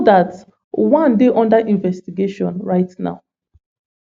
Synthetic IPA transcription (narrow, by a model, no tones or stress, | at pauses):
dat | wãndeʔɔ̃ndaʔĩɱvɛstiɡeʃɔ̃nɹaɪtna̰ʊ